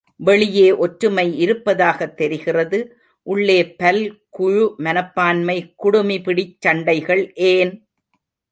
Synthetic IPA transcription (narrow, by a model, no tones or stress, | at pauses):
ʋɛɭɪjeːʔɔʈɾɯmɐɪɪɾɯpːɐðaːɣɐt̪ːɛɾɪɣɪrɐðɯ | ʔʊɭːeːpɐlkʊɻʊmɐnɐpːaːnmɐɪkʊɽɯmipɪɽɪt͡ʃːɐɳɖɐɪɣɐɭʔeːn